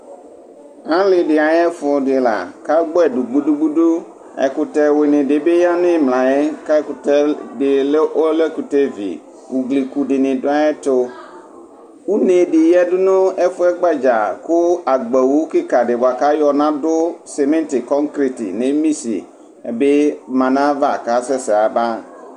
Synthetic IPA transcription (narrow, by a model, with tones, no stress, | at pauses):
ã˦lɪ˨dɪ˨a˨jɛ˦fʊ˨dɪ˨la̰˨ka˦ɡ͡bɔ˦ɛ˨du˨ɡ͡bu˦du˦ɡ͡bu˦du˦ | ɛ̰˨kʊ˨tɛ˦we˨nɪ̃˨dɪ˨be˦ja˦nɪ̃˦mlã˨ɛ˦ka˦kʊ˨tɛ˦dɪ˨le˦ʔo˦lɛ˦ku˨te˦vḭ˨ | wu˨ɡli˨ku˨dɪ˨nɪ̃˨dʊ˦a˦ɛ˦tʊ˦ | u˦ne˨dɪ˨jɛ˦dʊ˦nʊ̃˦ɛ˦fʊ˦ɛ˦ɡ͡ba˦d͡ʒa˨kʊ˦a˨ɡ͡bɛ˨wu˦kɪ˦ka˨dɪ˨bʊ˨a˨ka˦jɔ˨nã˦dʊ˦sɛ˨mɛ̃˦ntɪ˨kɔ˦ŋkɾi˨tɪ̰˨nɪ˦mi˦sḭ˨ | ɛ˨be˦mã˨nã˦va˦˨ka˦sɛ˦sɪ˨a˨ba˦